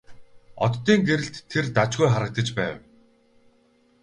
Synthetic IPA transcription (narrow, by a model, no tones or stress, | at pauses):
ɔ̰t̪ːiːŋɡeɾɘ̆ɬt̪ʰːert̪at͡ɕɡujχaɾə̆k̚t̪ə̆t͡ɕpæːw